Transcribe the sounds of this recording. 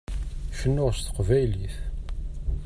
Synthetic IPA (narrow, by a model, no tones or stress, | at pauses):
ʃənːʊʁst̪ə̥qvæjliθ